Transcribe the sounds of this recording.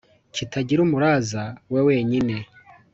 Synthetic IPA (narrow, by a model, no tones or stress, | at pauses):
kʰitʰaɟiɾumuɾaːzawewe̞ːɲine̞